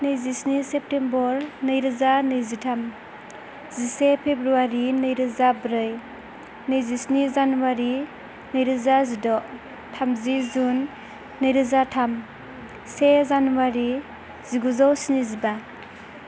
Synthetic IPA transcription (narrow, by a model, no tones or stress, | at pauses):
nɯjzisnisep̚tembɔɾnɯjɾɯzanɯjzitʰam | zisepʰebɾuaɾinɯjɾɯzabɾɯj | nɯjzisnizanuwaɾi | nɯjɾɯzazidɔʔ | tʰamzizunː | ɯjɾɯzatʰam | sezanuwaɾi | ziɡuzawsiniziba